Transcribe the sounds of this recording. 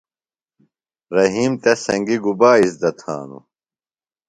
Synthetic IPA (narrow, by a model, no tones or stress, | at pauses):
ɾɐɦiːmt̪esɐŋɡiɡubaːisd̪ɐt̪ʰa̰ːnṵ